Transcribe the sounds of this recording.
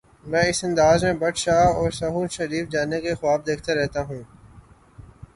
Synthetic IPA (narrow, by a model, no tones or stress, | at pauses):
mɛ̃ːɪsɐ̃nd̪aːzmẽbɐʈʃaːɔːɾsɐɦuːnʃɐɾiːfd͡ʒaːnekexʊaːb̚d̪eːkʰt̪eɾɛɦt̪aɦũː